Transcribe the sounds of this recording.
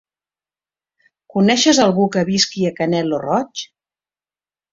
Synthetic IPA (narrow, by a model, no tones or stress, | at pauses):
kunɛʃəzəlˠɣukəβiskiəkənɛlorɔt͡ʃ